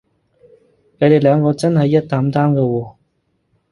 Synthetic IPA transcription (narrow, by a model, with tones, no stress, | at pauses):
ke˨˧ɾe˨jlœː˨˧ŋkɔː˧t͡sɐ˥nhɐ˨jːɐ˥t̚t̪aː˨˥mt̪aː˥mkɛ˧wɔː˨˧˩